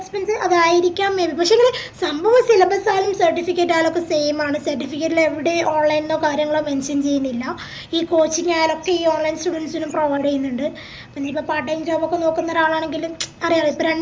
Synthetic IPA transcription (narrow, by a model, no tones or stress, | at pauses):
ɐspensɨʔɐðaːjiɾikʲːaːmːebʱipɐkʂeɐlesɐmbʱɐʋɐsilɐbɐsaːlumsɐrʈifikʲːeʈːaːjlo̞kːe̞se̞jmaːɳɨsɐrʈːifik̬ʲːeʈːileʋiɽe̞ʔoːnlɐjnoːkaːɾjɐŋːɐɭoːmenʂɐnt͡ɕe̞junːilːɐ | iːko̞ːt͡ɕːiɲːaːjlo̞kːe̞iːo̞ːnlɐjnsʈuːɽɐnsinumproʋɐjɽijunːuɳɖɨ | piɲːeipːopaːɖɐjnd͡ʑoːbokːeno̞ːkːunːɐðaːɭaːɳe̞ŋɡilumɐrijaːripːoːɾeɳ